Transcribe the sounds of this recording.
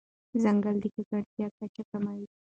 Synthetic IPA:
zaŋɡald̪ikakaɾt̪jakat͡ʃakamawi

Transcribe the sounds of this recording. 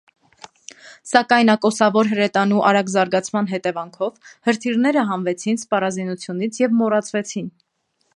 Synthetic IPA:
sɑkɑjnɑkɔsɑvɔɾɦəɾɛt̪ɑnuʔɑɾɑɡzɑɾɡɑt͡sʰmɑn̪ɦɛt̪ɛvɑŋkʰɔvhəɾt̪ʰirnɛɾəɦɑnvɛt͡sʰinspɑrɑzinut͡sʰjunit͡sʰjɛvmɔrɑt͡sʰvɛt͡sʰin

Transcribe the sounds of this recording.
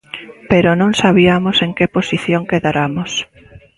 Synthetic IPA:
peɾonõŋsaβiamoseŋkeposiθjoŋkeðaɾamos

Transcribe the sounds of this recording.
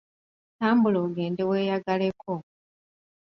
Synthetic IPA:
taːmbuloɡe̞ːnde̞we̞ːjaɡale̞kʰo

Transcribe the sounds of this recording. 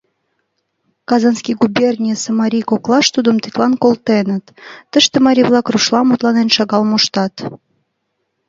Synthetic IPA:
kɑzɑnskʲijɡubʲernʲijsəmɑɾʲijkoklˠɑʃt̪ud̪əmt̪et̪ʲlˠɑnkolˠt̪enət̪ːəʃt̪emɑɾʲijβlˠɑkruʃlˠɑmut̪lˠɑnenʃɑɣɑlmoʃt̪ɑt̪

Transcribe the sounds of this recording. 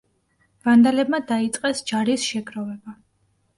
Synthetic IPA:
vand̪alɛb̚mad̪ait̪sʼqʼɛsd͡ʒaɾisʃɛɡɾɔvɛba

